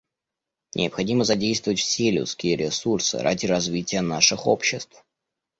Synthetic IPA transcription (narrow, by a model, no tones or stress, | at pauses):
nʲʔɪ̰əpxɐdʲiməzɐdʲejst̪vəvətʲfsʲelʲʊ̰skʲɪjəɾʲɪsursɨ̰ɾʔa̰dʲɪɾɐzvʲitʲɪjənaʂɨxo̞̰pɕːɪst̪f